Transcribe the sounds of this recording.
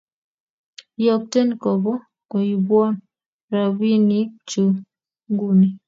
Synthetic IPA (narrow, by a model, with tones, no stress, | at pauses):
jɔ˨k̚tɛ˦nkɔ˨bɔ˦ | ko˨i˨bwɔ˦n | ɾa˨wi˦ni˦t͡ʃu˨ | ŋɡu˦˨ni˨